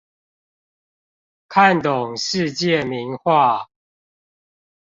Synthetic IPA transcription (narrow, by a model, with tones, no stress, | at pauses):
kʰa˥˨nt̪ʊ˨˩ŋʂɻ̩˥˧t͡ɕjɛ˥˨mi˨˦nxwa˥˨